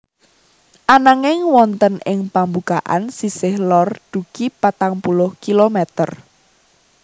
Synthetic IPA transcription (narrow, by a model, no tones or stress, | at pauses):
ʔanaŋɪŋwɔnt̪ənɪŋpambuɡ̥aʔa̰nsisɪhlɔrd̪̥ukipat̪aŋpulʊhkilomɛt̪ər